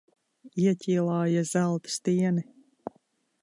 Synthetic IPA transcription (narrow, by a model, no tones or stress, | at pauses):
iɛcʲiːlˠɑːjaz̥ælˠt̪st̪iɛni